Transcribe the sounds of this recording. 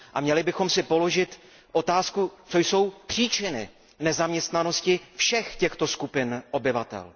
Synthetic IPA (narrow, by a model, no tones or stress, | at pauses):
ʔa̰mɲɛlɪbɪxo̞msɪpo̞lo̞ʒɪt̪ | ʔo̞t̪aːskut͡so̞jso̞wpr̝̥iːt͡ʃɪnɪ̰ | nɛzamɲɛst̪nano̞scɪfʃɛxcɛxt̪o̞skupɪnʔo̞bɪvat̪ɛ̰l